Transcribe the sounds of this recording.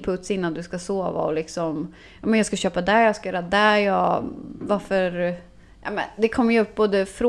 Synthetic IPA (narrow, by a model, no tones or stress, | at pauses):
pʰɵt̪sɪn̪ːand̪ɵskasoːva̰ɔlɪksɔm | jɑːmɛnjɑːɡskaɕøːpad̪æɾjɑskajœːɾad̪æjɑvaɾfœɾ | jʔɑ̰ːmɛ̰nd̪ɛkʰɔmːəjəɵpːboːd̪əfɾo